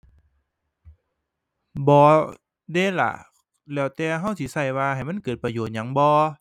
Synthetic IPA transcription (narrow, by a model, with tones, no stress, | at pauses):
bɔː˧˦ | deː˧˥˨la̰˧˩ | lɛː˧˩wt̪ɛː˧ɦa˧˩˨wt̪ʰi˧˦sa˧˩jwaː˧ha˨˩jma˧˥˨nkɤː˨˩t̪̚pa˧joː˨˩t̪̚ɲa˧˦ŋbɔː˧˦